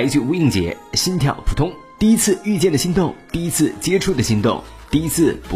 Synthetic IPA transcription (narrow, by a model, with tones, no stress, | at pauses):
ɪt͡ɕjo˥˧˥i˥˩ŋt͡ɕjɛ̰˧˥ɕi˥nt̪ʰjɑ̰˨˩ʊpʰu˨˩t̪ʰʊ˥ŋ | t̪i˥˩i˥t͡sʰɹ̩˥˧y˥˧t͡ɕjɛ˥˩nd̪ə˩ɕi˥ŋt̪ʊ˥˧ŋt̪i˥˩i˥t͡sʰɹ̩˥˩t͡ɕjɛ˥ʈ͡ʂʰu˥˩d̪ə˩ɕi˧˥˧ŋt̪ʊ̰˥˩ŋ | t̪i˥˩i˥t͡sʰɹ̩˥˩pu˧